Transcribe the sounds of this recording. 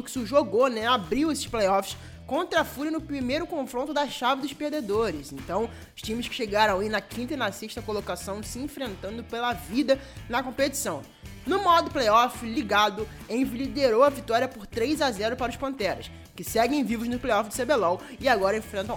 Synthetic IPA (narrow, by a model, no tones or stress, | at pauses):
ʊkɪ̥sʊʒoɡonɛabɾiwesɪ̥ʃplejɔfɪ̥s | kõnt̪ɾafuɾɐnʊpɾimejɾʊkõfɾõnt̪̬ʊd̪ɐʃavɪd̪ʊʃpehd̪ed̪oɾɪzẽnt̪ɐ̃w̃ | ʊʃt͡ʃĩmɪskɪ̥ʃeɡaɾɐ̃w̃inɐkʰĩnt̪ɐinasiʃt̪ɐkolokasɐ̃w̃sɪẽfɾẽnt̪ɐ̃nd̪ʊpelɐvid̪ɐnɐkõpet͡ʃi̥sɐ̃w̃ | nʊmɔd̪ʊplejɔfɪliɡad̪ʊ | ẽj̃vilid̪eɾowɐvit̪ɔɾiɐpoɾt̪ɾejzazɛɾʊpaɾɐʊʃpɐ̃nt̪ɛɾɐs | kɪsɛɡẽj̃vivʊznʊplejɔfɪd͡ʒɪsebelãwɪaɡɔɾɐẽfɾẽnt̪ɐ̃w̃